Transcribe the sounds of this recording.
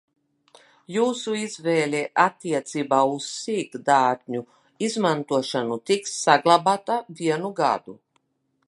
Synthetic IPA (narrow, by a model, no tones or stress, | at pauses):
juːsuizvɛːlʲɛʔat̪ːiɛt̪siːbaːusːiːt̪d̪aːɾd̪ʲɲu | izmant̪uɔʃanut̪iksːaɡlˠabat̪aviɛnuɡa̰d̪u